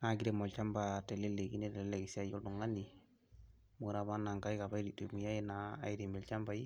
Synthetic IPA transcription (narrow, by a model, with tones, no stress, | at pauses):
na˨˦ɡi˦ɾe˨mɔ˨lt͡ʃa˦mba˨te˨le˦le˨ɡḭ˦ne˦te˨lɛ˦le˨ki˨si˦a˦jo˦ldu˨ŋa˦ni˨ | mu˨ɾa˨ba˦na˨ŋka˦i˦ka˨ba˦i˦ɾi˨te˨mu˨ja˦i˦na̰ː˨i˦di˨mɛ˨lt͡ʃa˦mba˨i˦